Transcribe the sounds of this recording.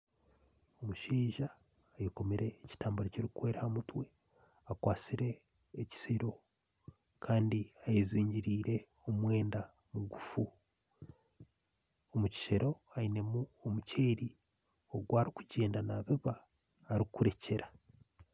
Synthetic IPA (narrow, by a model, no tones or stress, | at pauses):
o̞muʃiːʒaː | jeko̞meɾe̞ːci̥taːmbuɾocoɾikwe̞ːɾahamutwe̞ | akwaːt͡siɾe̞ː | ci̥seɾo̞ | kʰaːndiajeziːɲɟiɾiːɾe̞ | omwe̞ːnda | muɡufu | omuci̥ʃeɾo̞aine̞muomuceːɾi | o̞ɡwaːɾikuɟe̞ːndanaβiβaː | ɾikuɾe̞ce̞ɾa